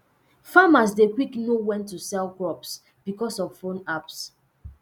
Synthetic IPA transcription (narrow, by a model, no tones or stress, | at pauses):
famas̬dekwiknowɛ̃ntusɛlɡɹɔps | b̥ikɔsɔv̥fõnaps